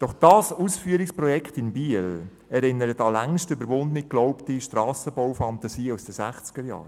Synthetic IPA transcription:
d̥ɔχd̥ɑːsuːsfyəɾɪksprɔjɛkχtɪnbiəl | ɛɾɪnːəɾətɑlæŋʃtøbəɾʋʊndəniklɔʊptiʃtɾɑːsəbɔwfɑnt̪ɑsiːusd̥əsæχt͡sɡ̥əɾjɑ̰ːɾ

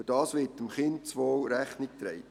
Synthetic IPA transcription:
əd̥ɑːsʋɪːtəmχɪnt̚t͡sʋoːɾæχnɪk̚t̪ɾɛ̰ɪ

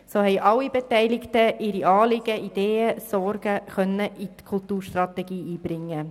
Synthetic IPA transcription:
soːhɛɪʔɑlːibɛtɛɪlɪktəʔɪɾiʔɑːlɪɡ̥əʔid̥eːəsɔɾɡ̥əχœnːəʔitkʰʊltuːɾʃtrɑt̪ɛɡiːʔiːb̥ɾɪŋːə

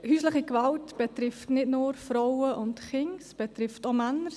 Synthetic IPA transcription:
hyːsləχikʋaltb̥ɛtɾɪftnɪdnʊːɾfɾɔwəʔʊndχɪŋsb̥ɛt̪ɾɪftomænəɾ

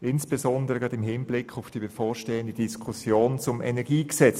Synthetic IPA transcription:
ʔɪnsb̥ezɔndəʁəɡ̥ʁɑdɪmɦɪnblɪkʰʊfd̥ibefoːʃteːəndədiskʰusjoːnt͡sʊmɛnɛɡ̥iːksɛt͡s

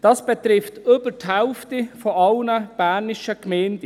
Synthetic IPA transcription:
d̥ɑsb̥ɛt̪ɾɪftøbətʰaʊftifɔʔɑlnəb̥æːnɪʃəkmɛːndə

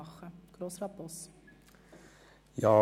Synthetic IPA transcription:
χəɡ̥ɾosrɑpɔs | jɑː

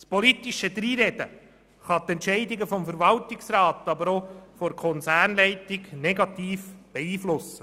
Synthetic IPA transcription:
spɔlit̪iʃəd̪ɾiːɾɛd̥̪ə̰ | χɑt̪ɛntʃɛɪdɪɡəfɔmfəɾʋɑltɪksrɑːt̪ɑbəɾofɔɾkʰɔnt͡sæːrnlɛɪtɪɡnɛɡɑt̪iːfb̥ɛiːflʊsːə

